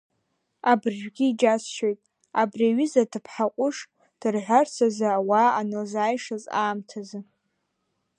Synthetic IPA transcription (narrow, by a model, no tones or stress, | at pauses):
abɨrʒᶣʷɡʲiːd͡ʒasʃojtʼ | abriaɥɪzadʰɨpʰħaqʷʼʊʂ | d̥ɨrħʷarsʰazaːwaːanɨlzaːjʂazaːmtʰazɨ